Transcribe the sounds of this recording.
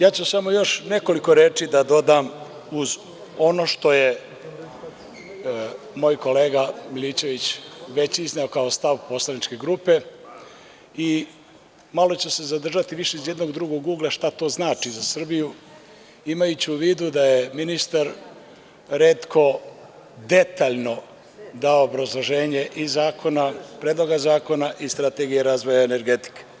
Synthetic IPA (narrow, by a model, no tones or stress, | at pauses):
jaːt͡ɕusamo̞jo̞ʃne̞ko̞liko̞ɾe̞ːt͡ʂid̪ad̪o̞d̪aːm | uz | o̞no̞ːʃt̪o̞je | mo̞ːjko̞le̞ːɡamilit͡ɕe̞ʋit͡ɕʋe̞t͡ɕizneo̞kaost̪aʋpo̞slˠanit͡ʃke̞ɡɾupe̞ | i | malo̞t͡ɕese̞zad̪r̩ʒat̪iʋiʃe̞izje̞d̪noɡd̪ɾuɡoɡːuːɡlˠaʃt̪at̪o̞ːznaːt͡ʃizasr̩biju | imajut͡ɕiuʋiːd̪ud̪aje̞minist̪aɾ | ɾe̞ːt̪kʰo̞ | d̪e̞t̪aːʎno̞ | d̪aoːbɾazlˠo̞ʒe̞ːɲe̞ʔizaːkʰo̞napɾeːd̪lˠo̞ɡazaːko̞naʔist̪ɾat̪eɡijeɾaːzʋo̞jaene̞ɾɡe̞t̪i̥ke̥